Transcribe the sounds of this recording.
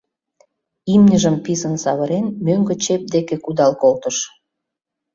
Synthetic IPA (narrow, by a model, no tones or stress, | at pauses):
imnʲəʒəmpizənsɑβəɾenmøŋɡət͡ɕep̚d̪ekekud̪ɑlkolt̪əʃ